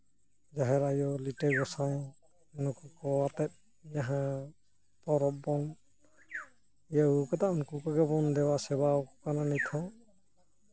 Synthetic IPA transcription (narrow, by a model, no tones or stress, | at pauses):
d͡ʒaɦɛɾajɔlitɛɡɔsaŋ | nukukɔat̪ɛt̪̚ | jaɦã | pɔɾɔp̚bɔn | jaukɔt̪aʔnkukɔɡɛbɔnd̪ɛwasɛbaɔkkananit̪ʰɔ̃